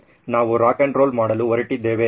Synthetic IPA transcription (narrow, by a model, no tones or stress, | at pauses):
naːʋuɾaːkɐɳʈɾoːlmaːɽɐluʋɐɾiʈːid̪ːeːʋe